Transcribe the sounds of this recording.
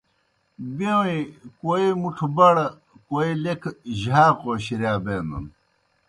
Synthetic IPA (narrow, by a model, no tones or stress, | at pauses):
bewĩkoimuʈʰubɐɽ | koilekʰʑaːqoːɕiɾjaːbeːnɐ̰n